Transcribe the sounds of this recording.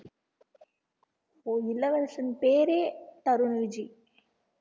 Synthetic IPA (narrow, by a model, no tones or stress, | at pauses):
oːɪlːɐʋɐɭɐsɐnpeːɾeːt̪ɐɾunʋɪd͡ʒi